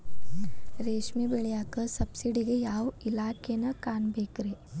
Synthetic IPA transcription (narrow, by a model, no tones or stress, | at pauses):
ɾeːʃmibeɭjakəsɐbsiɽiɡejaːwilaːkenɐkaːnbʱeːkɾe